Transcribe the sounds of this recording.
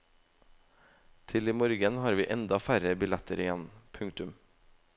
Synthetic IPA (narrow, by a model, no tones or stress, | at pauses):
t̪ʰɪliːmɔɾɡənhɑːɾʋiːʔɛnd̪ɑfæɾəbɪlɛt̪əɾɪjɛnpʰʉŋt̪ʉm